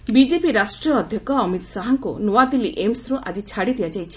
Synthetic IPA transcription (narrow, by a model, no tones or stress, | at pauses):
bid͡ʒepiɾasʈɾijɔːd̪ʱjɔkɔːmit̪saɦaŋkunoad̪iliʔemsɾoʔad͡ʒit͡ʃʰaɽid̪ijad͡ʒajt͡ʃʰi̥